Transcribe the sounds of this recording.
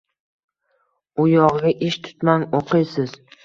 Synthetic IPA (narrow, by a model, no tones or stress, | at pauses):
ʊjɒʁɡʲaʔɪʃt̪ʰʊ̥t̪maŋoqʰɨjsɪz̥